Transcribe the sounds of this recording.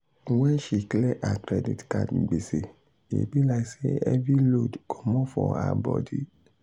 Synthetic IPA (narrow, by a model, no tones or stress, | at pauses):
wɛ̃ʃiklɛʔakɾɛdḭtkadĩɡ͡bese | ḛbilaiseɛvilodkʰɔmɔ̃fɔa̰bɔdi